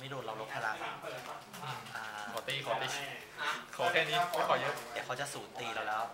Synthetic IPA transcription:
miː˦˥˩nuː˧t̪ɾa˧wlo˦˥p̚ʰaː˧ɾa˧ʔ | ʔɯ˧˩ʔaː˧˩kʰɔː˩˦t̪iː˧˩kʰɔː˨˩˦t̪iː˧˩ | kʰɔː˨˩˦kʰɛː˧˩niː˦˥˨ɔ˨˦kʰɔː˨˩˦jɤ˦˥d̪ɛ˨˦ka˦˥wt͡ɕa˨˩suː˩˦nt̪iː˧la˧˩wlɛː˦˥w

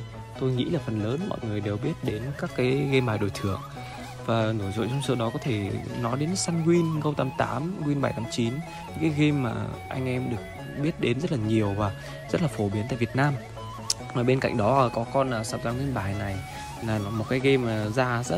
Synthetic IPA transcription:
t̪o˧jŋḭ˧˥laː˨˩fə˨˩nləː˨˦nmɔ̰˧˨jŋɨ˨˩əjɗe˨˩wɓi˦˥ət̚ɗe˨˦nkaː˦˥kːaː˨˦jɣe˧mɓaː˨˩jɗo˨˩jt̪ʰɨ˧˩əŋ | vaː˨˩nɨ˧˩əjzo̰˧˨jt͡ɕʊ˧wŋ͡msəː˧ɗɔ˨˦kɔ˨˦t̪ʰe˧˩nɔ˨˦jɗe˨˦nsaː˧nŋwi˧nɣə˧wt̪a˧mt̪a̰ː˨˦mŋwi˧nɓa˧˩jt̪ʰaː˨˦mt͡ɕi˨˦n | ɨ˨˧ŋkaː˨˦jɣe˧mːa̰ː˨˩ʔa˧jŋ̟ʔɛ˧mɗɨ˨˩ək̚ | ɓi˦˥ət̚ɗe˨˦nzə˦˥t̚laː˨˩ɲi˨˩əwvaː˨˩ | zə˦˥t̚laː˨˩fo˧˩ɓi˨˦ənt̪a̰ː˧˨vi˨˩ət̚naː˧m | vaː˨˩ɓe˧nka̰˧˨jŋ̟ɗɔ˨˦˨kɔ˨˦kɔ˧nʔaː˨˩saː˧˩w̪aː˧nŋwi˧nɓaː˧˩jna˨˩j | laː˨˩nɔ˨˦mo˨˩t̚kaː˨˦jɣe˧mː˨˩zaː˧zə̰˦˥

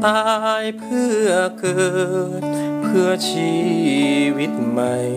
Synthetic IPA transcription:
t̪aː˧jpʰɯ˥˩ɐkʰɤː˧ | pʰɯ˥˩ɐt͡ɕʰiː˧˥ | wi˦˥t̪̚ma˧j

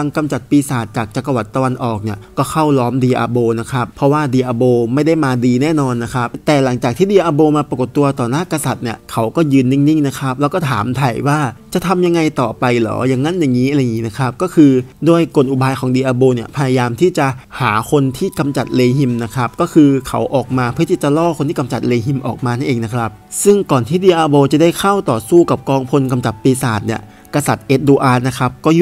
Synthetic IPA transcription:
a˧ŋka˧mt͡ɕa˨˩t̪̚piː˧saː˨˩t̪̚t͡ɕaː˨˩k̚t͡ɕa˨˩kːa˧wa˨˩t̪ːa˧wa˧nʔɔː˨˩k̚ni˥˩ɐkɔː˥˩kʰa˥˩wlɔː˦˥mdiː˧ʔa̰ː˧boː˧na˦˥kʰa˦˥pʰːɔ˦˥waː˥˩diː˧˩ʔaː˧boː˧ma˥˩jda˥˩jmaː˧diː˧nɛː˥˩nɔː˧nːa˦˥kʰa˦˥p̚t̪ɛː˨˩la˩˦ŋt͡ɕaː˨˩k̪̚ʰiː˥˩diː˧ʔaː˧boː˧maː˧pɾa˧ko˨˩t̪ːu˧ɐt̪ɔː˨˩naː˥˩ka˧sa˨˩t̪̚ni˥˩ɐkʰa˦˥wkɔː˥˩jɯː˧nːi˥˩ŋni˥˩ŋna˦˥kʰa˦˥p̚lɛ˦˥wkɔː˥˩t̪ʰaː˩˦mt̪ʰa˨˩jwaː˥˩t͡ɕa˨˩t̪ʰa˧mja˧ŋːa˧jt̪ɔː˨˩pa˧jlɔ̰ː˩˦ja˨˩ŋːa˦˥˨nja˨˩ŋːiː˦˥ʔa˧ɾjŋiː˦˥na˦˥kʰa˦˥p̚kɔː˥˩kʰɯː˧duː˥˩əjko˨˩nʔu˨˩baː˧jkʰɔː˩˦ŋdiː˧ʔaː˧boː˧ni˥˩ɐpʰa˧ja˧jaː˧mt̪ʰiː˥˩t͡ɕa˨˩haː˩˦kʰo˧nt̪ʰiː˥˩ka˧mt͡ɕa˨˩t̪̚leː˧hi˧mna˦˥kʰɾa˦˥p̚kɔː˥˩kʰɯː˧kʰa˩˦wʔɔː˨˩k̚maː˧pʰɯ˥˩t̪ʰiː˥˩t͡ɕa˨˩lɔː˥˩xʰo˧nt̪iː˥˩ka˧mt͡ɕa˨˩t̪̚leː˧ɦi˧mʔɔ̰ː˨˩k̚maː˧na˥˩nʔeː˧ŋna˦˥kʰɾa˦˥p̚sɯ˥˩ŋkɔː˨˩nt̪ʰiː˥˩diː˧ʔaː˧boː˧t͡ɕa˨˩da˥˩jkʰa˥˩wt̪ɔː˨˩suː˥˩ka˨˩p̚kɔː˧ŋpʰo˧nka˧mt͡ɕa˨˩t̪piː˧saː˨˩t̪̚ni˥˩ɐ | ka˧sa˨˩t̪̚ʔe˦˥t̪̚duː˧ʔaː˧na˦˥kʰɾa˦˥p̚kɔː˥˩

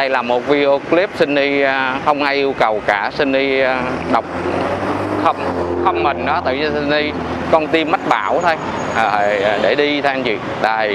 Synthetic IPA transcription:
ɗə˧jlaː˨˩mo˨˩t̚vi˧o˧kli˦˥p̚sï˧ŋ̟ʔi˧xə˧wŋ͡mʔaː˧jʔi˧əwkə˨˩wkaː˧˩sï˧ŋ̟ʔi˧ɗə˨˩wk͡p̚ | xə˧wŋ͡mxə˧wŋ͡mmï˨˩ŋɗɔ˨˦t̪ɨ̰˧˨ɲɨ˧si˧nʔi˧ | kɔ˧nt̪i˧mːa˦˥t̚ɓaː˧˩wt̪ʰo˧j | ə˨˩˨ɗe˧˩ɗi˧t̪ʰɛ˧a˧nt͡ɕḭ˨ | ɗaː˧˩

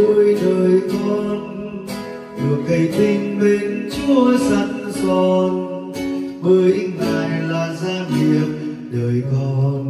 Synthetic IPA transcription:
u˧jɗəː˨˩jkɔ˧n | ɗɨ˨˩ək̚kə˨˩jt̪ï˧ŋ̟ɓe˨˦nt͡ɕu˧˦əsa˧˦ŋzɔ˧˩n | ɓəː˧˦jŋaː˨˩jlaː˨˩zaː˧vi˨˩˨ət̚ | ɗəː˨˩jkɔ˧n

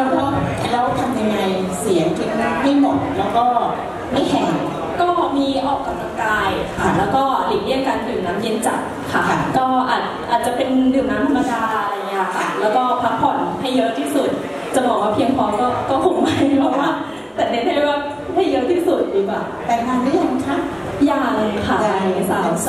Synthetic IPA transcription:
lɛː˦˥kɔː˥˩lɛ˧˦˥t̪ʰa˧mja˧ŋa˧jsi˨˩˦ɐŋke˧na˧naː˧˩ɦa˥˩jmo˨˩t̪̚lɛː˦˥wkɔː˥˩ | ma˥˩jhɛː˨˩˦ŋ | kɔː˥˩miː˧ʔɔː˨˩k̚ka˨˧˩la˧ŋkaː˧jkʰa˧a˥˩lɛː˦˥wkɔː˥˩li˨˩k̪̚li˥˩əŋkaː˧ndɯː˨˩mnaː˦˥mje˧˥nt͡ɕa̰˨˩t̪̚ | kʰa˦˥˩kɔː˥˩ʔaː˨˩t̪̚ʔaː˨˩t̪̚t͡ɕa˨˩pe˧ndɯː˨˩mnaː˦˥mt̪ʰa˧mːa˧kaaː˧a˧a˧jŋːi˦˥a˧˩kʰa˧˩lɛː˦˥wkɔː˥˩pʰa˦˥pʰɔ˨˩˦nha˥˩jːɤ˦˥ʔt̪ʰiː˥˩su˨˩t̪̚ | t͡ɕa˨˩bɔː˨˩k̚waː˥˩pʰi˧əŋpʰɔː˧˦˥kɔː˥˩kɔː˥˩hʰo˨˩k̚ma˧˦˥jpʰɔ˧˩waː˥˩ | t̪ɛː˨˩ni˦˥t͡ɕʰa˥˩e˥˩waː˥˩ | ha˥˩jɤ˦˥ʔt̪ʰiː˥˩su˨˩t̪̚jiː˨˩˦kwaː˨˩wt̪ɛː˨˩naː˧nmi˦˥˩ja˧t̪ʰa˦˥˩ | jaː˧˩lɤː˧kʰaː˧˨˩a˧˨˩a˦˧˥sa˦˥˩

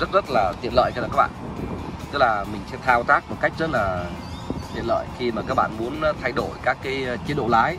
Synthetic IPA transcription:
zə˦˥t̚zə˦˥t̚laː˨˩t̪wi˨˩˨ənlə̰ː˧˨jkːaː˨˩kaː˦˥ɓa̰ː˧˨ | t̪ɨ˦˥k̚laː˨˩mï˨˩ŋ̟sɛ̰˧˥t̪ʰaː˧wt̪aː˦˥k̚mo˨˩t̚ka˦˥jk̟̚zə˦˥t̚laː˨˩ | t̪ḭ˨˧˨ənlə̰ː˧˨jxi˧maː˨˩kaː˦˥k̚ɓa̰ː˧˨nmu˨˦ən˧t̪ʰa˧jɗo˧˩jkaː˦˥kːaː˨˦jt͡ɕi˨˦nɗo̰˧˨laː˨˦j

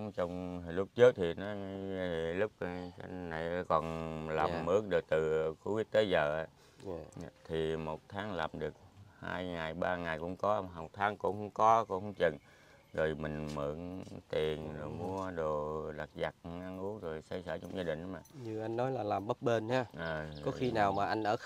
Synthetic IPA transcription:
t͡ɕɔ˧wŋ͡mlʊ˦˥k͡p̚t͡ɕɨ˦˥k̚t̪ʰi˨˩nɔ˨˦˧lʊ˦˥k͡p̚a̰˧na̰˨˧˩jkɔ˨˩nlaː˨˩mːɨ˦ək̚ɗɨ˨˩k̚t̪ɨ˨˩xu˧˦wi˦˥ək̚t̪e˨˦zəː˨˩ʔa˨˦˧ | t̪ʰi˨˩mo˨˩t̚t̪ʰaː˨˦ŋlaː˨˩mɗɨ˨˩ək̚haː˧jŋa˨˩jɓaː˧ŋa˨˩jkʊ̰˧˥ŋ͡mkɔ˨˦˨ɦa˨˩w̚t̪ʰaː˨˦ŋkʊ̰˧˥ŋ͡mkʊ˧˥ŋ͡mkɔ˨˦kʊ̰˧˥ŋ͡mhŋ͡mt͡ɕə˨˩n | zo˨˩jmï˨˩ŋ̟mɨ̰˧˩˦ənt̪i˨˩ən˨˩mu˧əɗo˨˩la˨˩k̚za˨˩k̚ʔa˧nʔu˦˥ək̚zo˨˩jsa˧jsəː˧˩t͡ɕɔ˧wŋ͡mzaː˧ɗï˨˩ŋ̟ʔmaː˨˩ɲɨ˧˩ʔa˧jŋnɔ˨˦jlaː˨˩laː˨˩mɓə˦˥t̚ɓe˧nɲaː˧ʔəː˨˩kɔ˨˦˨xi˧naː˨˩wmaː˨˩ʔa˧jŋ̟ʔəː˧˩

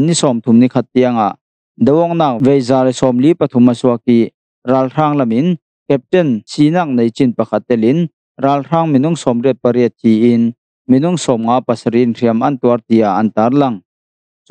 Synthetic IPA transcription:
ni˦sɔ˨mt̪ʰu˨mni˦˨kʰa˧t̪ːi˧ɐ˧ŋa˨ʔ | d̪ɐ˨wɔ˧˨k̚naː˧˩k̚ve˨jzaː˨lsɔ˨mli˦pɐ˨t̪ʰu˨˦ma˨su˧ɐ˧ki˧ | raː˧lr̥aː˧ŋlɐ˨mɪ˦n | kɛ˧p̚tɛ˥˨nsiː˧naː˧˨k̚ne˨jt͡si˨npɐ˨kʰa˦˧t̪̚ːɛ˧˨lɪ˦n | raː˧˨lr̥aː˥ŋmi˨nʊ˥˨ŋsɔ˨mrɛ˥˩t̪̚pɐ˧ɾiət̪̚ʰːi˨ʔɪ˧n | mi˨nʊ˥˨ŋsɔ˨mŋaː˧˦pa˨sɐ˨ɾi˧nr̥i˨əmʔɐ˨nt̪u˨ɐ˦rt̪i˨a˨ʔɐ˨nt̪aː˨˦rlɐ˧˨ŋ

